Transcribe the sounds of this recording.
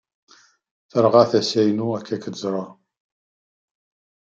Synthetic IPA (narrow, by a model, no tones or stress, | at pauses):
θəɾˤʁɑθæsæjnuækʰːækəzɾˤɑ